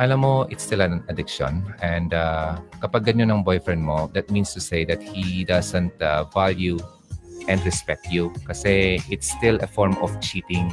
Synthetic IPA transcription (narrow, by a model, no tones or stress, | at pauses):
ʔalãmoɪtst̪ilɛ̃nədɪkʃɔ̰̃nɛ̃ndakapaɡãnjonãŋbɔjfɹɛ̃nmod̪ɛt̪̚mĩnstused̪ɛt̪̚hidasə̃ntavalju | ʔɛ̃nɹɛspɛk̚tʰjukaseɪtst̪iləfɔɹmɔft͡ʃit̪ɪ̃ŋ